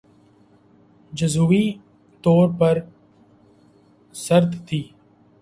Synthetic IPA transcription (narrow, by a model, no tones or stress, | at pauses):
d͡ʒəzuːiː | t̪oːɾpəɾ | səɾt̪t̪ʰiː